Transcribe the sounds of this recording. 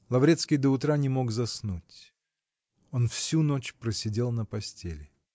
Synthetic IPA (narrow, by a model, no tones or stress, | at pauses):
lˠɐvɾʲet̪skʲɪjd̪əʊt̪ɾanʲɪmo̞ɡzɐsnutʲ | o̞nfsʲuno̞t͡ɕpɾəsʲɪdʲe̞lˠnəpɐsʲtʲḛlʲɪ